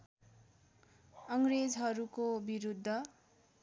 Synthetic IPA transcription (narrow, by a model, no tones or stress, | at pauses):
ʌŋɾed͡zɦʌɾukobiɾud̪ʱːʌ